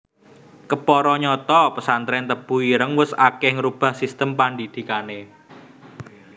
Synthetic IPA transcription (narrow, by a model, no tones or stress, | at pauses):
kəpɔɾɔɲɔt̪ɔpəsant̪ɾɛnt̪əb̥uiɾəŋwʊsakɛhŋəɾub̥a̤hsist̪əmpand̪id̪̥i̤kane